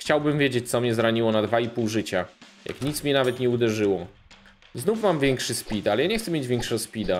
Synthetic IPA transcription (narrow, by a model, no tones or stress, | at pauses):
xt͡ɕawbɘmvʲjed͡ʑet͡ɕt̪sɔmɲɛzɾaɲiwɔnad̪vaipuwʐɘt͡ɕa | ja̰kɲit̪smɲɛnavɛt̪ɲɛud̪ɛʐɘwɔ | znufmamvʲjɛŋkʂɘspʲit̪alɛjaɲɛxt̪sɛmʲjed͡ʑvʲjɛŋkʂɛɡɔspʲid̪a